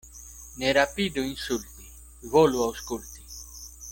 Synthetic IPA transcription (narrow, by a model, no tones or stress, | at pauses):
neɾapid̪uinsult̪i | voluawskult̪i̥